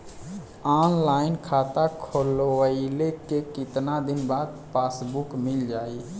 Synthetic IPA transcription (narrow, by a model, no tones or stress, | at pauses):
aːnlaːɪnkʰaːt̪akʰoloəɪlekekɪt̪nad̪ɪnbaːd̪̚pasbukmɪld͡ʒaːi